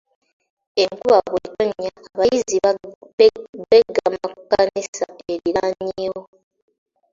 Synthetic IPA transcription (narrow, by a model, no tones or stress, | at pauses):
eŋkuβaɣwetoɲːaːβajizi | beɡːamakukːanisa̰eɾiɾaaɲeewo